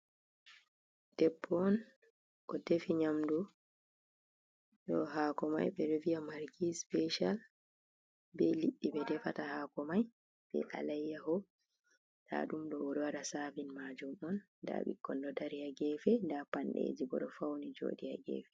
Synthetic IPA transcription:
d̥ɛbːɔn | kɔdefiɲamdu | ɗɔɦakɔma̰jɓɛɾevijamaɾkispɛʃal | bɛliɗːiɓɛdɛfatahaːkɔmaj | bɛ̰ʔa̰lajːahɔ | ɗa̰ɗumɗɔɔɾɔwaɾasaːvinmad͡ʒumɗɔnːda̰ɓḭkːɔndɔdaɾijaɡɛːfɛndapanɗḛːd͡ʒiɡɔ̰ɗɔfawnid͡ʒo̰ːdija̰ɡɛ̰fɛ̥

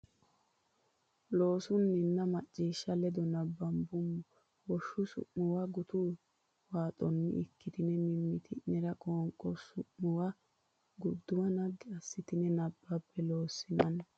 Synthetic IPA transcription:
lo̞ːsʊnːɪnːɐmɐt͡ʃʼːiːʃːɐlɛd̪ɔnɐbːɐmbʊmːʊ | wɔʃːʊsʊ̰ʔmʊwaɡʊt̪uː | waːt̪ʼɔnːɪ̰ɪkːɪt̪ɪnɛmɪmːɪt̪ʰɪnɛɾɐkʼoːŋkʼɔsʊʔmʊwa | ɡʊd̪ːʊwɐnɐɡːɪɐsːɪt̪ɪnɛnɐbːɐpːɛlo̞ːsːɪnɐn

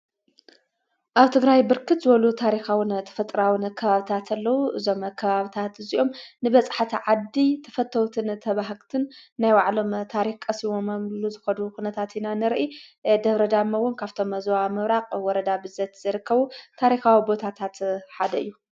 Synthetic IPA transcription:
ʔaβt̪ʰɨɡɾajbɨɾkʰɨt̪zɨβɐlut̪ʰaɾixawɨnt̪ʰɐ̥fɐt̪ʼɾawɨnkʰɐβaβit̪ʰat̪ʰɐlːɐwuʔɨzo̞mɐkʰːɐβaβit̪ʰat̪ɨziʔo̞mnɨβɐt͡sʼħat̪ʰiʕad̪it̪ʰɐ̥fɐt̪ʰːɐwt̪ʰɨnt̪ʰɐβaɦɡt̪ʰɨnːajwaʕlo̞mt̪ʰaɾixkʼɐsiwomɐmluzɨxɐd̪ukunɐt̪ʰat̪inanɨɾʔid̪ɐβɾɐd̪amɐwʊnkʰaβt̪ʰo̞mɐzwamɨβɾaqʼwɔɾɐd̪abɨzɐt̪z̥ɐɾɨkːɐβut̪ʰaɾixawibo̞t̪ʰat̪ʰat̪ħad̪ɐɨ̰jːu

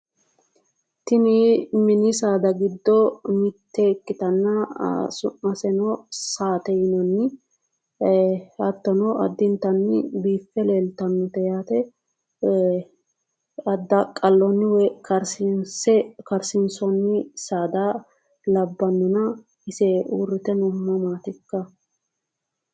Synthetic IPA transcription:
t̪ɪnɪmɪnɪsaːd̪ɐɡɪd̪ːɔmɪt̪ːɛɪkːɪt̪ɐnːɐ̰sʊʔɐsɛnɔsaːt̪ɛjnɔnːɪ | ɐt̪ːɔnɔʔɐ̰d̪ːɪnt̪ɐnːɪbiːfːɛleːlt̪ɐnːʊt̪ɛjaːt̪ɛ | ɐd̪ɐkʼɐlːɔnːɪwɛkɐɾsɪnsɛkɐɾsɪnsɔnːɪsaːd̪a | lɐbːɐnːɔnɐ | ɪsɛuːrːɪt̪ɛnʊmːɐmaːt̪ɪkːɐ

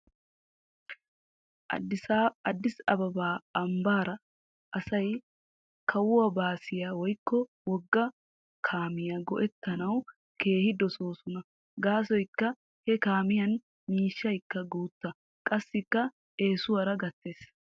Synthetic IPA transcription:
ɐd̪ːɪsɐbɐbaːɐmbaːɾɐ | ʔɐsɐj | kʰɐwʊwɐbaːsɪjaːwɔjkːɔ | wɔɡːɐ | kʰaːmɪjɐɡɔʔɛt̪ːɐnɐw | ke̞ːhɪd̪ɔsoːsʊnɐ | ɡaːsɔjkːɐ | hɛkaːmɪjɐn | miːʃːɐjkːɐɡuːt̪ːɐ | kʼɐsːɪkːɐ | e̞ːsʊwɐɾɐɡɐt̪ːeːs

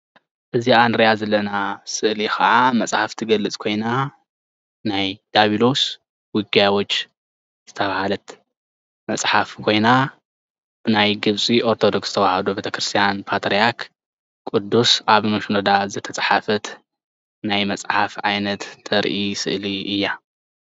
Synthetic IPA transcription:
ʔɨziʔanɾijazɐlːɐnasɨʔlixʰɐ̰ʕamɐsʼħaft̪ʰiɡɐlːɨt͡sʼkʰo̞jna | najd̪̥aβilo̞s | wʊɡjawot͡ʃː | z̥ɨt̪ʰɐβahalɐt̪ | mɐt͡sʼħafkʰo̞jna | b̥ɨnajɡɨβt͡sʼiʔo̞ɾt̪ʰo̞d̪o̞ksz̥ɨt̪ʰɐwahɐd̪ubet̪ʰɐkɾɨst̪ʰijanpʰat̪ɾijakʰ | kʼud̪ːusʔaβmɐʃunod̪azɨt̪ʰɐt͡sʼħafɐt̪ | najmɐt͡sʼħafʕajnɐt̪ʰʼːɐɾʔisɨ̰ʔliʔɨjːa

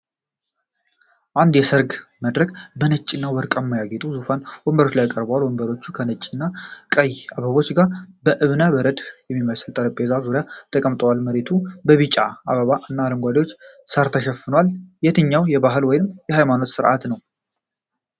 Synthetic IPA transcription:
ʔand̪jɛsəɾɡməd̪ɾəkʼbənət͡ʃʼinːawɔɾkʼəmːajaɡet̪ʼuzufanwɔmbəɾo̞t͡ʃːlajkʼəɾbəwalwɔmbəɾo̞t͡ʃːukʰənət͡ʃʼːinːakʼəjaβəβo̞t͡ʃːɡaɾbəʔɨβnaβəɾəd̪jɛmːiməsɨlt̪ʼəɾəpʼezazuɾijat̪ʰəkʼəmt̪ʼəwalməɾe̞t̪ʰubəβit͡ʃʼaaβəβaɨnːaləŋɡʷad̪jwo̞t͡ʃːsəɾt̪ʰəʃɛfːɨnəwaljɛt̪ʰɨɲːawjɛβaɦɨlwɔjɪnɨmjɛhajmano̞t̪sɨɾʔa̰t̪nəw

